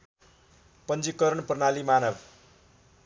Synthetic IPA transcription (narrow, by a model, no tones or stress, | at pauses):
pʌnd͡zikʌɾʌnpʌrnalimanʌb